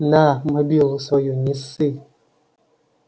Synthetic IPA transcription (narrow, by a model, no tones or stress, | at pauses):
naməbolsɔjuɲisi